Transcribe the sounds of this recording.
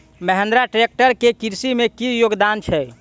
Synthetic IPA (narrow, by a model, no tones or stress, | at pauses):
məɦend̪ɾaʈɾek̚ʈəɾkekiɾsimekijoɡd̪ant͡ʃʰɛ